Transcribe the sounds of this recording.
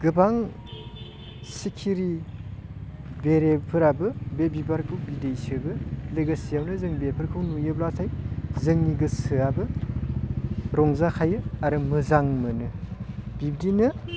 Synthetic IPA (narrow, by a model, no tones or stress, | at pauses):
ɡɯbaŋ | sikʰiɾi | beɾepʰɯɾabɯbebibaɾkʰɯwbidejsɯbɯleɡasijawnɯzɯŋbepʰɯɾkʰɯwnujɯblatʰajzɯŋniɡɯsɯabɯ | ɾɔŋzakʰajɯaɾɯmɯzaŋmɯnɯbib̚dinɯ